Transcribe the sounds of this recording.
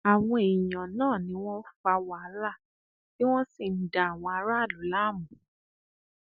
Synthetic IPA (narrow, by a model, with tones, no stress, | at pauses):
a˨w̃ɔ̃˧e˨jã˨nãː˦˨nĩ˨˦w̃ɔ̃˦fa˧wa˦˨˦ɾa˦˨ | ki˦w̃ɔ̃˦si˦˨n̩˨da˨a˨w̃ɔ̃˧a˧˦ɾa˦˨lu˨˦la˦˨mũ˨